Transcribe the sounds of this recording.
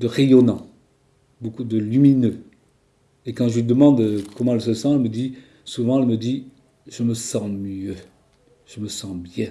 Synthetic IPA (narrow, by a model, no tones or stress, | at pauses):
d̪əʁejɔnɑ̃ | bokud̪əlyminø | ekɑ̃ʒəid̪əmɑ̃d̪kɔmɑ̃ɛlsəsɑ̃ɛlməd̪i | suvɑ̃ɛlməd̪i | ʒ̥əməsɑ̃mjø | ʒ̥əməsɑ̃bjɛ̃